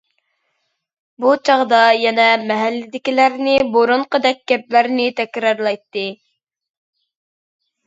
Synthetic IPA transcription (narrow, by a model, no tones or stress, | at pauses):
but͡ʃʰɑʁd̪ɑjɛnɛmɛɦælːɪd̪ɪkʲilæɾnɪboɾuɴqəd̪ɛk̚ʲɡʲɛp̚læɾnɪt̪ʰɛkʲɾɑɾlˠɑjt̪ːɨ